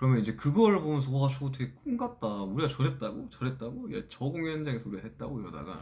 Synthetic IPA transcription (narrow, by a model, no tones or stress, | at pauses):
kɯɾʌmjʌnid͡ʑe̞kɯɡʌɾpomjʌnsʰʌɡʌɡat͡ɕʰuɡotʰeɡek͈umɡat̚t͈auɾiɡat͡ɕʌɾɦet̚t͈aɡot͡ɕʌɾɦet̚t͈aɡoja̰t͡ɕʌɡuŋhjʌnd͡ʑaŋesʰʌuɾiɡaɦet̚t͈aɡoiɾʌda̰ɡa̰